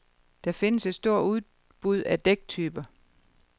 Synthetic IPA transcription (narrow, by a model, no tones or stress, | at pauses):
d̥ɑfe̝nəse̝d̥sd̥o̝ɐ̰uð̞ˠ | b̥uð̞̰ˠæd̥eɡ̥̚t͡sʰyːb̥ɐ